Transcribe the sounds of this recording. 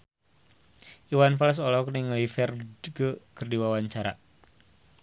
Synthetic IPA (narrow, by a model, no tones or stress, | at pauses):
iwanfɛls̬ɔlɔkniŋlifɛrkəkərdiwawaɲt͡ʃaɾa̰